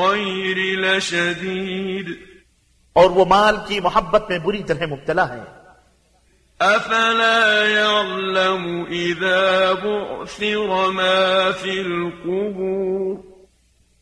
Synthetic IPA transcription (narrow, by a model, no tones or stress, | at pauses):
ajɾɪlaʃad̪iːd̪ | ɔːɾʋomaːlkimʊɦəbːət̪mẽbʊɾit̪ɐɾɦɛmʊb̚t̪əlaɦɛ̰̃ː | ʔafalaːjaʕlamʊʔɪðaːbʊʕθɪɾmaːfiːlqʊbuːɾ